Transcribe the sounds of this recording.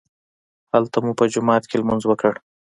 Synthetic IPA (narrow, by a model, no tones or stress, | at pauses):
halt̪amupəd͡ʒʊmɑːt̪kʰelmʊnzwəkəɽ